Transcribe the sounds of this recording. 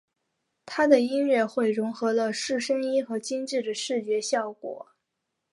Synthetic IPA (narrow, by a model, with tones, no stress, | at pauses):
t̪ʰa˥d̪ə˨i˥nɻɛ˥˧xwe˥˩ɪɻʊ˧˥ŋxɤ˧˥lə˧ʂɻ̩˥˩ʂə˥ŋi˥xɤ˧˥t͡ɕi˥nʈ͡ʂɻ̩˥˩d̪ə˩ʂɻ̩˥˩t͡ɕɥɛ˧˥ɕjɑ˥˩ʊkwɔ̰˨˩˦